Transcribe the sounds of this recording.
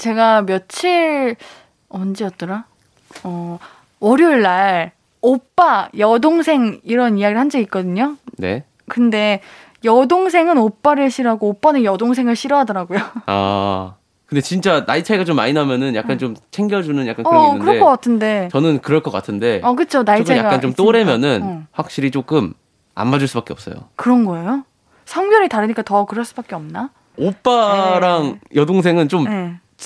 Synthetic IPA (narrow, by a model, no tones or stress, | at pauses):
t͡ɕe̞ɡamjʌt͡ɕʰiɭ | ʌnd͡ʑijʌt̚t͈ʌɾa | ʌ | ʌɾioɭːaɭ | op͈ajʌdoŋsʰe̞ŋiɾʌnijaɡiɭhand͡ʑʌit̚k͈ʌdɯɲone̞̰ | kɯnde̞ | jʌdoŋs̬ʰe̞ŋɯnop͈aɾɯɭɕʰiɾʌɦaɡoop͈anɯnjʌdoŋs̬ʰe̞ŋɯɭɕʰiɾʌɦadʌɾaɡojoa̰ | kɯnde̞t͡ɕint͡ɕ͈anait͡ɕʰaiɡat͡ɕomːa̰ɲinamjʌnɯnja̰kk͈ant͡ɕomt͡ɕʰe̞ŋɡjʌd͡ʑunɯnjakannkɯɾʌek͈ʌk͈atʰɯnde̞t͡ɕʌnɯnkɯɾʌɭk͈ʌk͈atʰɯnde̞ʌkɯt͡ɕʰonait͡ɕajaɡaant͡ɕomt͈oɾe̞mjʌnɯnɸwak̚ɕ͈iɾit͡ɕ͈ok͈ɯm | a̰mːad͡ʑuɭs͈ubak͈eʌp̚s͈ʌjo̰kɯɾʌnɡʌe̞jo | sʰʌŋbjʌɾitaɾɯɲik͈atʌkɯɾʌɭs͈ubak͈eʌmna | op͈aɾaŋjʌdoŋs̬ʰe̞ŋɯnt͡ɕomje